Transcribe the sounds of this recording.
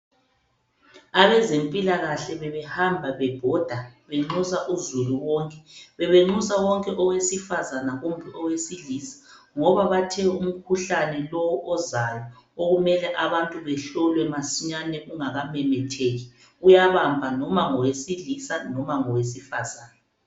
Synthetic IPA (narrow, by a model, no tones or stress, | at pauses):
aβɛzempʼilaɣaɬɛβɛβɛhambʱaβɛb̥ʱɔd̥ʱaβɛŋ͡ǁusaʔuzuluwɔŋkʼɛβɛβeŋ͡ǃusawɔŋkʼɛʔɔwesifazanaɣum̩bʱiʔɔwesiɮisḁ | ŋɔβaβatʰɛum̩kʰuɬanɛlɔwɔʔɔzajɔ | oɣumɛlɛʔaβantʼuβɛɬɔlwɛmasiɲanɛʔuŋaɣamɛmɛtʰeːɣi | ujaβambʱanɔmaŋɔwesilisanɔmaŋɔwes̬ifazaːna